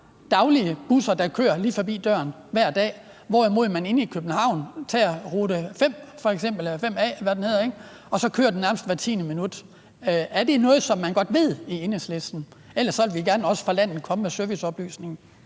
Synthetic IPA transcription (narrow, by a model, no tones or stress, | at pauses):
d̥ɑ̈ʊliəb̥usɐd̥ɑ̈kʰø̰ːɐliːfɒ̽bḭːd̥ɶ̰ɐn | ʋæɐ̰d̥ɛ̰ː | ʋɒ̰ːimo̝ð̰ˠmæne̝nikʰøb̥n̩hɑ̈ʊ̰nt͡sʰeæʁuːɾ̥əfem̰fɒ̽eɡ̥sem̰b̥l̩fem̰ɛ̰ːʋæd̥enhe̝ðˠeɡ̥ | ɒ̽sɒ̽kʰø̰ːɐdenæɐməsd̥ʋæɐt͡sʰḭːnəminud̥ | æɐd̥e̝nɔ̽ːð̞̩ˠsɒ̽mːænɡ̥ɒ̽d̥ʋe̝ð̞̰ˠie̝neslesd̥n̩ | el̰ɐsːɒʋelʋiɡ̥æɐnɒ̽sə̥fʁɑ̈læn̰ð̩kʰɒ̽məmesøɐʋisɒ̽b̥ly̰ːsne̝ŋn̩